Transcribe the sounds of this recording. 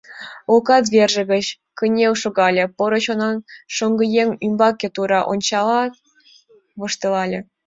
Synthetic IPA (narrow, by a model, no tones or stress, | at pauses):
okɑd̪βʲerʒə̆ɣə̆t͡ɕ | kənʲewʃoɣɑlʲĕpoɾə̆t͡ɕonɑnʃoŋɡə̆jeŋymbɑkʲːet̪uɾɑʔo̰nʲt͡ɕɑlɑt̪ | βŏʃt̪elɑlʲĕ